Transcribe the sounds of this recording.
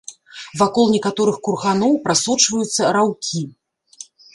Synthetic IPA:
vakɔlˠnʲɛkat̪ɔɾɨxkurɣanɔwpɾasɔt͡ʂvɐjut̪sːɐɾawkʲʰi

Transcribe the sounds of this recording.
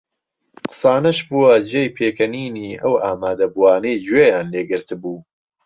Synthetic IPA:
qɨ̥saːnɐʃbuːwɐd͡ʒejpʰeːkɐniːniːʔɐwʔaːmaːd̪ɐbuaːnɐjd͡ʒweːjaːnleːɡɨɾt̪ɨbuː

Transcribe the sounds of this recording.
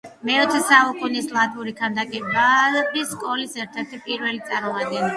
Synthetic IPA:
mɛɾɔt̪ʰɛsaukʼunɛslˠat̪ʰuɾikʰand̪akʼɛbaiskʼɔlisɛɾt̪ʰɛɾt̪ʰipʼiɾvɛlit̪sʼaɾmɔad̪ɡɛni

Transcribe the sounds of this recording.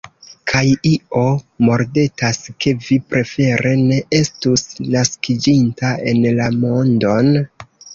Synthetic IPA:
kʰajio̞mo̞ɾde̞taske̞vipɾe̞fe̞ɾʔe̞ne̞ʔe̞stusnaskid͡ʒintae̞nlamo̞ndo̞n

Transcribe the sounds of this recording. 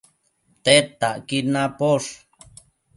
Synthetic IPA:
t̪et̪aʔkinapoʂ

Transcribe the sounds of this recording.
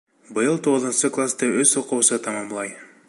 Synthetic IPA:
bɯjɯlˠt̪oðˠɤnsɨklˠast̪ɤøzoqusɤt̪ʰɑmɑmlˠɑj

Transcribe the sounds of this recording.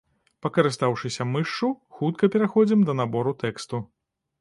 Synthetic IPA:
pɐkɐɾɨst̪awʂɨsʲɐmɨʂt͡ʂuxut̪̚kɐpʲɛɾaxɔd͡zʲimd̪ɐnabɔɾut̪ɛkst̪u

